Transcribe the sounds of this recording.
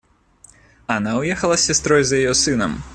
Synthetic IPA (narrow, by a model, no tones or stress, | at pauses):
ɐnawjɛxɐlˠɐsʲast̪ɾɔjzjajɔsɨnɐ̰m